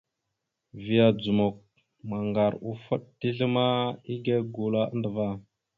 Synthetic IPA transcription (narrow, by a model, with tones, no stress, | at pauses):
vi˨ja˨d͡zu˨mo˨k̚ | ma˨ŋɡa˨ɾu˨fə˦ɗ̚ti˦ɮə˦ma˦i˦ɡe˦ɡu˨la˦ə̰˦ndə˨va˦˨